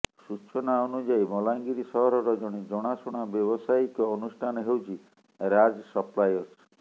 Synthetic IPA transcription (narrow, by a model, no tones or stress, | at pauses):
sut͡ʃʰɔnaɔnud͡ʒajmɔlaŋɡiɾisɔɦɔɾɔɾɔd͡ʒɔɽ̃id͡ʒɔɽ̃asuɽ̃abjɔbɔsaikɔːnusʈʰanɔɦewt͡ʃʰi | ɾad͡ʒsɔplajɔs